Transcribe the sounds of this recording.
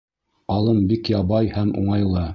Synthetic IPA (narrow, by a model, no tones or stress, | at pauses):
ɑlˠɤmbikjɑβɑjhæmṵɴɑjlˠɤ